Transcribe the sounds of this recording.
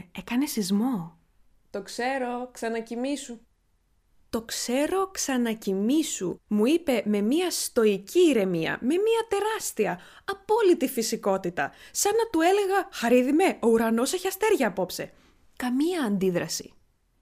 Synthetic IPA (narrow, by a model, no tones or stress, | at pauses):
ekɐne̞sizmo̞ | t̪o̞kse̞ɾo̞ksɐnɐcimisu | t̪o̞kse̞ɾo̞ksɐnɐcimisṵmuipe̞me̞miɐst̪o̞iciːɾe̞miɐ̰me̞miɐt̪e̞ɾɐst̪iɐ | ɐpo̞lit̪ifisiko̞t̪it̪ɐ̰sɐnɐt̪ue̞le̞ɣɐxɐɾiðime̞o̞uɾɐno̞seçɐst̪e̞ɾʝɐːpo̞pse̞ | kɐmiɐːnd̪iðɾɐsi̥̰